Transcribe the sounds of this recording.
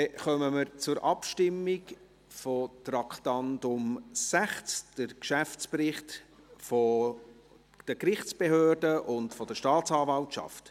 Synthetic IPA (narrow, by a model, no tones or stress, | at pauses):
ɛχœməməɾt͡sʊɾʔɑpʃtɪmːik | fɔtrɑkʰtɑndʊmsæχt͡sd̥əɾkʃæft͡sprɪχt | fɔ | d̥əkɾɪχt͡sb̥ehøːrdəʔʊndfɔd̥əʃtɑːt͡sɑːvɑltʃɑ̰ft